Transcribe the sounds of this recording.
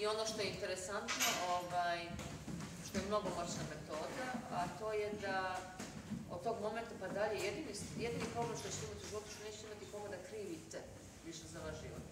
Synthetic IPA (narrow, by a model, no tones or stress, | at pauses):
io̞noʃt̪o̞jeint̪e̞ɾe̞sant̪no̞ʔovaːj | ʃt̪o̞jemno̞ɡomot͡ɕname̞t̪o̞ːd̪aat̪o̞ːjed̪a | od̪̚t̪o̞ːɡmo̞ment̪apad̪aʎejjed̪inijed̪inipɾoɡlemʃt̪o̞t͡ɕet̪eimat̪iuʒiʋo̞t̪u̥ʃt̪oneːt͡ɕet̪eimat̪ikoɡad̪akɾiːʋit̪se | ʋiʃezaʋaʃʒḭʋo̰t̪